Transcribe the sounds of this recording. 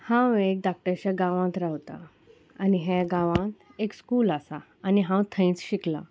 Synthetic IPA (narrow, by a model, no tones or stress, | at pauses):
hãwek̚ɖak̚ʈəɾt͡ɕaɡãʋãt̪ɾawt̪a̰ | aniɦeɡãʋãt̪ekskuːlasa | aniɦãwt̪ʰəĩt͡sɕikla̰